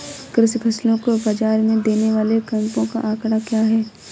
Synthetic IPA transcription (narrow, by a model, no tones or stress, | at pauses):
kɾɪspʰɐslõkobad͡ʒaːɾmẽd̪eːneʋaːlekɐ̃mpõka̰ʔaːkɽakjaːɦɛː